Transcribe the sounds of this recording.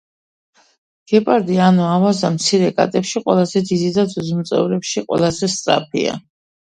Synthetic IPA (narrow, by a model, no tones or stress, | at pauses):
ɡ̥ɛpʼaɾd̪ianɔavazamt̪sʰiɾɛkʼa̰t̪ʼɛpʃiqʼwɛlˠazɛd̪id̪id̪ad̪zuzmt̪sʼɛ̰vɾɛpʃiqʼwɛ̰lˠazɛst̪sʼɾa̰p̚ʰḭa̰